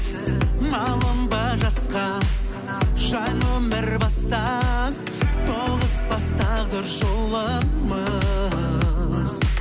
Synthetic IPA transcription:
mɑlˠəmbɑʒɑsqɑ | ʒɑjnomɪɾbɑst̪ɑ | t̪ʰoʁəzbɑst̪ɑd̪əɾʒolˠəmə | z̥

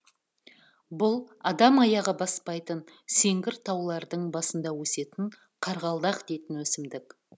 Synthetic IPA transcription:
bʊlˠɑd̪ɑmɑjɑʁəbɑspɑjt̪ən | se̞ŋɡʲɪɾt̪ʰɑwlˠɑɾd̪əɴbɑsənd̪ɑwɵse̞t̪ɪɴ | qʰɑɾʁɑlˠd̪ɑqd̪ejt̪ɪnwɵsɪmd̪ɪk

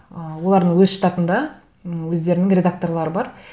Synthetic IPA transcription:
əwo̞lˠɑɾd̪əɴwɵzʃət̪ɑt̪ənd̪ɑ | wɵzd̪e̞ɾɪnɪŋrʲe̞d̪ak̚t̪o̞rlˠɑɾəbɑɾ

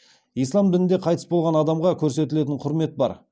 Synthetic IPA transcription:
ijslˠɑmd̪ɪlɪnd̪eqʰɑjt̪ə̥sbolˠʁɑnɑd̪ɑmʁɑkʲʰɵɾs̬e̞t̪ɪle̞t̪ɪɴqʰʊɾme̞t̪̚bɑ̰ɾ

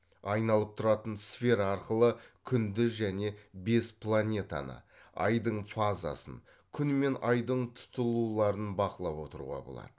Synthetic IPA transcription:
ɑjnɑlˠəp̚t̪ʰʊɾɑt̪ənsfʲe̞ɾɑɑɾqəlˠəkʲʰʏnd̪ɪʒæne̞be̞spʰlˠanʲe̞t̪a̰nə̰ | ɑ̰jd̪əɴfaza̰sə̰n | kʲʰʏnme̞nɑjd̪əɴt̪ʰʊ̥t̪əlˠulˠɑɾənbɑqəlˠɑpwo̞t̪əɾṵʁɑ̰bo̰lˠɑ̰d̪̥ə

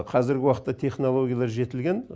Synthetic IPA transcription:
qʰɑzɪɾɡʲɪwɑqə̥t̪ːɑt̪ʰe̞χno̞lˠo̞ɡʲjalˠɑɾʒe̞t̪ɪlɡʲe̞n

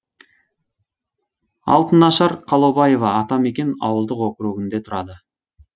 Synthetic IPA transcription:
ɑ̰lˠt̪ənɑʃɑɾqʰɑlˠobɑje̞vɑːt̪ɑme̞kʲe̞nɑ̰wəlˠd̪əqwoqəɾuɡʲɪnd̪e̞t̪ʰʊɾɑd̪ə

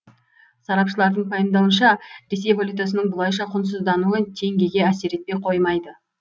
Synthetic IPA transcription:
sɑɾɑpʃəlˠɑɾd̪əɴpʰɑjəmd̪ɑwənʃɑɾe̞s̬e̞jvolʲut̪jasənəɴbʊlˠɑjʃɑqʰʊns̬əzd̪ɑnuət̪ʰe̞ŋɡʲe̞ɡʲe̞æse̞ɾe̞t̪̚pe̞jqʰo̞jmɑjd̪ə

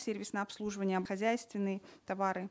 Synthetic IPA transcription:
sʲervʲɪsnəɐpslˠuʐɨvənʲɪjəɐxɐzʲæjst̪vʲɪnːɨjət̪ɐvaɾɨ

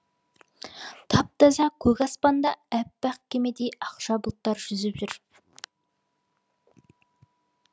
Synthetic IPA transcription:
t̪ʰɑp̚t̪ɑzɑkʲʰɵɡʲɑspɑnd̪ɑæpːæq̚kʲʰemed̪ejɑqʃɑbʊlˠt̪ːɑɾʒ̥ʏzɪpʒʏɾ

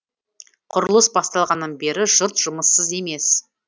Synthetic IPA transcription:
qʰʊɾəlˠəsbɑst̪ɑlˠʁɑnːənbe̞ɾɪʒʊɾt̪ʒ̥ʊməsːəze̞me̞s

